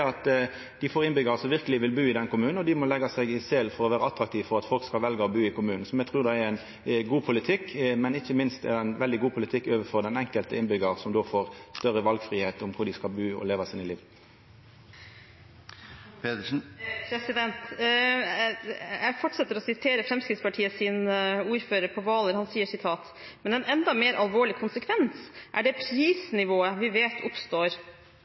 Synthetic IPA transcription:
ɑt̪ | d̪ɪfoːʁɪnbʏɡɑʁəsɔmʋɪʁkəlɪʋɪlbʉːɪd̪ɛnkʊmʉːn̩ɔd̪ɪmɔlɛɡɑsɛɪɡɪsɛlfɔɾʁɔʋæːɾəɑt̪ɾɑk̚t̪ʰiːʋfɔʁɑt̪fɔlkskɑlʋɛlɡəɔbʉːɪkʊmʉːnn̩sɔmjɛɡ̚t̪ʰɾʉːʁd̪ɑɛɾæɪn | ɡuːpʰʊlɪt̪ʰɪkːmɛnɪçːəmɪnst̪ɛ̰ʁæɪnʋɛld̪ɪɡuːpʰʊlɪt̪ʰɪkːøːʋəfɔʁd̪ɛnɛŋkəlt̪əɪnbʏɡəʁsɔmd̪oːfoːʁst̪œʁəʋɑlɡfɾiːheːt̪ʊmkʰʊɾd̪ɪskɑlbʉːɔ̰leːʋɑsɪnɪliːʋ̪ | p̪ːpʰɾɛsɪd̪ɛnt̪ | jæɪfɔʈʂɛt̪ːəɾɔsɪt̪ʰeːɾəfɾɛmskɾɪt̪spɑʈʰiːəsɪnuːɾføːɾəɾpʰɔʋɑːləɾhɑnsiːəʂɪt̪ʰɑːt̪ | mɛnɛnɛnd̪ɑmeːɾʔɑlʋoːɭɪkʰʊnsəkʰʋɛnsʔæ̰ɖɛpʰɾiːsnɪʋoːəʋɪʋeːt̪ʰʊpst̪oːɾ

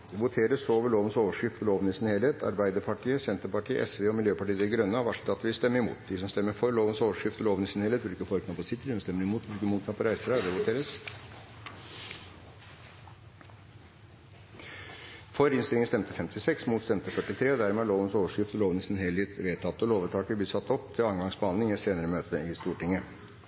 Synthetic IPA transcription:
d̪ɛʋʊt̪ʰeːɾəsoːʋəɭoːʋənsoːʋəʂkɪft̪ɔloːʋənɪsɪnheːlheːt̪ʰɑ̰ɾbæɪd̪əɾpʰɑʈʰiːəsɛnt̪əpɑʈiːəʔɛsʋeːɔmɪljøːpɑʈiːəd̪ɛɡɾœnːɑʋɑʂt̪ɑt̪ːʋɪlst̪ɛmːəɪmṵːt̪̚d̪ɪsɔmst̪ɛmːəɾfɔɾɭoːʋənsoːʋəʂkɪft̪ɔloːʋnɪsɪnheːleːt̪bɾɪkːəfɔɾknɑpɔsɪt̪ːəd̪ɪsɔmst̪ɛmːəɾɪmuːt̪̚bʉːkəɾmuːt̪ʰnɑpʰɔɾæɪsəɾɑd̪ɛʋʊt̪ʰeːɾəs | fɔɾɪnst̪ɪlɪŋən̩st̪ɛmt̪əfɛmt̪ɪsɛksmuːt̪st̪ɛmt̪əfœʈːɪt̪ʰɾeːd̪æːɾmɛæloːʋənsoːʋəʂkɾɪft̪ɔloːʋənəsɪnɦɛlet̪ʋeːt̪ʰɑt̪ːəloːʋət̪ʰɑːkəbiːsɑt̪ːɔp̚ːt̪ʰɪlɑŋɡɑŋsbəhɑnd̪ɪŋɛseːnəɾəmøːt̪əɪst̪uːʈɪŋə

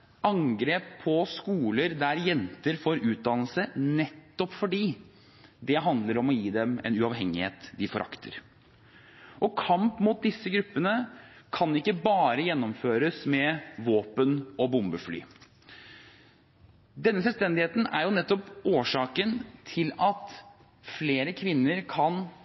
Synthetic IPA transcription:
ʔɑŋɡɾeːpʰːɔskuːləɾd̪æɾjɛnt̪əɾfoːɾʉːt̪̚d̪ɑnəlsənɛt̪ːɔpfɔɖiː | d̪ɛɦɑnd̪ləɾɔmɔjiːd̪ɛmɛ̰nʉɑʋɦɛŋːɪhḛːt̪d̪ɪfɔɾʔɑ̰kt̪ʰə̰ɾ | ʔɔkʰɑmpmuːt̪̚d̪ɪsːəɡɾʉpːənəkʰɑnɪkːəbɑːɾəjɛnːɔmføːɾəsmɛʋoːpənɔbʊmbəfly̰ː | d̪ɛnːəsɛlst̪ɛnd̪ɪheːt̪n̩æ̰ɾjʊnɛt̪ːɔpʔoːʂɑːkənt̪ʰɪlɑt̪ | fleːɾəkʰʋɪnːəɾkʰɑn

